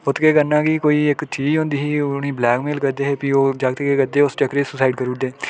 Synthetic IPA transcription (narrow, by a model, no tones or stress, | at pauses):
ʊt̪keːkənaːɡiːkoːiːɪkt͡ʃiːd͡ʒɦõːnd̪iːɦiːniːblɛːkmeːlkəɾd̪eːɦeːpiːoːd͡ʒaɡt̪ːkeːkəɾd̪eːʊst͡ʃəkːɾeːsʊsaːɪɖkəɾuːd̪eː